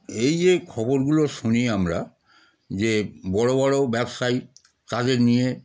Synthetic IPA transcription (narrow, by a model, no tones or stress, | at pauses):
ejekʰɔboɾɡuloʃuniamɾa̰ | d͡ʑebɔɽobɔɽobɛbʃaj | t̪ad̪eɾnije